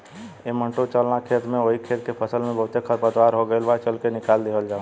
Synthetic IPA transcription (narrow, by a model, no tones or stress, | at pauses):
emə̃ɳʈot͡ʃəlnakʰeːt̪mẽoikʰeːt̪kepʰəsəlmẽbəɦʊt̪ekʰəɾpət̪ʋaːɾɦoɡəelʋat͡ʃəlkenɪkaːld̪eːʋəld͡ʒãː